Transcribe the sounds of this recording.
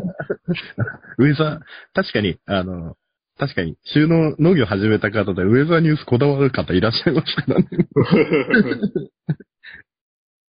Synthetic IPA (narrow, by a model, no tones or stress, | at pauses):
aɯ̟e̞zat̪aɕi̥kaɲ̟iano̞ | t̪aɕi̥kaɲ̟iɕɨːno̞ːno̞ːɡʲo̞ɦaʑime̞t̪akat̪ad̪eɯ̟e̞zaɲ̟ɨ̟ːsɨ̥ko̞d̪aβaɾɯkat̪ːaiɾaɕːaimasɨ̥kaɾa̰ne